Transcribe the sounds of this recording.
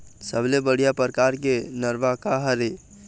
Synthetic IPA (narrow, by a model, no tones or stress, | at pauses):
səblebəɽ̤ijapəɾkaɾkenəɾbakaɦəɾe